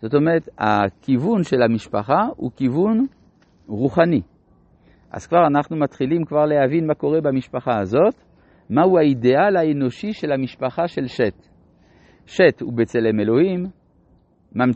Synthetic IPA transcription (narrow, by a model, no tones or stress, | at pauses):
z̥o̞t̪o̞meʁet̪a̰kivunʃelamiʃpa̰χaṵkivun | ʁuχani | ʔa̰z̥kvaʁanaχnumat̪χilimkvaʁleɦavinmako̞ʁebamiʃpaχaazo̞t̪ | mauaide̞alaeno̞ʃiʃe̞lamiʃpaχaʃe̞lʃet̪ | ʃetṵbet͡selemelo̞himː | am